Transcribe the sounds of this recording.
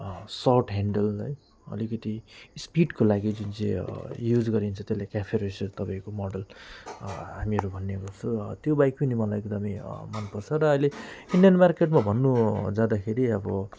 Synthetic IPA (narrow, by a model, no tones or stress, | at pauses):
sʌwʈɦaɳɖʌlʌj | ʌ̰likʌt̪ispiɖkolaɡid͡zunt͡sḛ̃jud͡zɡʌɾint͡sʰʌt̪elakapʰeɾosʌt̪ʌpãĩkomʌɖʌl | ɦamiʌɾubʱʌnːeɡʌt͡sʰʌt̪jobajkinimʌlajek̚d̪ʌmʌjmanpʌrt͡sʰʌɾʌʌjleinɖijʌnmarkeʈmabʱʌnːud͡zad̪akʰeɾiʌbʌ